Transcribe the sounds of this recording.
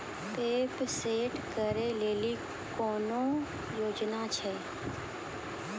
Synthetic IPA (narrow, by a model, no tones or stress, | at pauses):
peːpseːʈkəɾeːleːli | koːnõ | joːd͡ʒnat͡ʃʰɛː